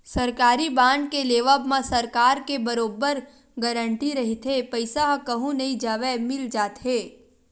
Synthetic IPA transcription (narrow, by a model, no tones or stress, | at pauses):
sɐɾkaːɾibãːnɖ̚keleːʋəbmãsɐɾkaːɾkebɐɾoːbəɾ | ɡəɾə̃ɳʈiɾɐɦit̪ɦepɐɪsaɦkɐɦũnɐĩd͡ʒaːʋemɪld͡ʒaːt̪ɦeː